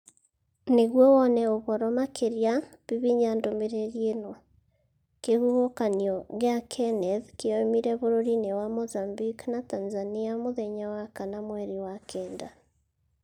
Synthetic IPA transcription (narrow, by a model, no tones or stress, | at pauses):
neɣwɔwɔnɛoβɔɾɔmakʰeɾja | βiβiɲandomeɾeɣenɔ | kehuβokaniɔɣeakʰɛnɛðkeɔemiɾɛβoɾoɾinewamozambiknatanzaniamoðɛɲawakanamwɛɾiwakʰɛːnda